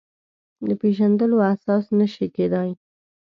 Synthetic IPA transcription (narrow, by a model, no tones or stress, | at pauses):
d̪əpeʒand̪əloasɑsnəʃiked̪ɑj